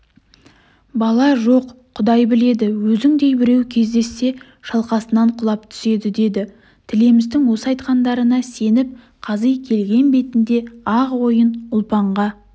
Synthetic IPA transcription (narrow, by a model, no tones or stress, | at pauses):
bɑlˠɑʒo̞qʰːʊd̪ɑjbɪle̞d̪ɪwɵzɪŋd̪e̞jbɪɾe̞wkʲʰe̞zd̪e̞sːe̞ | ʃɑlˠqɑsənɑɴqʰʊlˠɑp̚t̪ʰʏ̥se̞d̪ɪd̪e̞d̪ɪ | t̪ʰɪle̞mɪzd̪ɪŋwo̞səɑjt̪qɑnd̪ɑɾənɑse̞nɪp̚ | qʰɑzəjkʲʰe̞lɡʲe̞nbe̞t̪ɪnd̪e̞ɑʁwo̞jənʊlˠpɑɴʁɑ